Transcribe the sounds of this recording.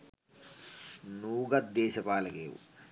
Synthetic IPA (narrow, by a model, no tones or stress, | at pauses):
nuːɡɐt̪̚d̪eːɕɐpaːlɐkeːʋṵ